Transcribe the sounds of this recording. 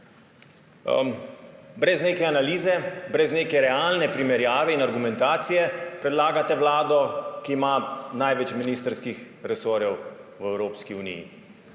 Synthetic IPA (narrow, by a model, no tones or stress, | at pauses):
bɾɛzneːkɛanaliːzɛbɾɛzneːkɛɾɛaːlnɛpɾimɛɾjaːʋɛinaɾɡumɛnt̪aːt̪sijɛpɾɛd̪laːɡat̪ɛwlaːd̪ɔkiːmanajʋɛt͡ʃminiːst̪ɾskix | ɾɛsoːɾjɛwwɛwɾoːpskiunḭjḭ